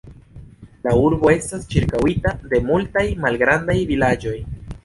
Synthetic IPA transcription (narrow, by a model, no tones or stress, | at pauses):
lauɾbo̞e̞stast͡ʃiɾkawitade̞multajmalɡɾandajvilad͡ʒo̞j